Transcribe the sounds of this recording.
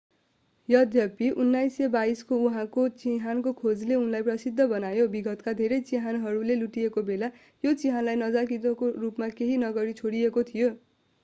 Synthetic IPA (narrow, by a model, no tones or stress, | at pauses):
jʌd̪ʱjʌpiʔunːajsebaiskouɦãkot͡siɦankokʰod͡zleunlajprʌsid̪ʱːʌbʌnajobiɡʌt̪kad̪ʱeɾʌjt͡siɦanɦʌɾuleluʈiekobela | jot͡siɦanlajnʌd͡zak̬it̪okorupmakeɦinʌɡʌɾit͡sʰoɽiekot̪ʰijo